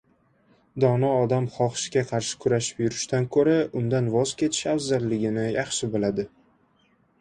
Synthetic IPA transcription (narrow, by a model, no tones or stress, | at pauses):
d̪ɒnɒɒd̪amχɒχʃɪɡʲaqʰɑɾʃɪ̥kʰʊɾaʃɪ̥pjʊɾɪʃt̪ankʰɵɾaʊnd̪anvɒz̥kʲe̞t̪ʰɪ̥ʃafzalːɪɡʲɪnɪjɑχʃɪbɪlad̪ɪ